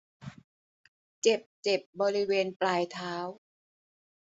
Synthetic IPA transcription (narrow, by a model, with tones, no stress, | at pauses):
t͡ɕe˨˩p̚t͡ɕe˨˩p̚bɔː˧ɾi˦˥weː˧nplaː˧jt̪ʰaː˦˥w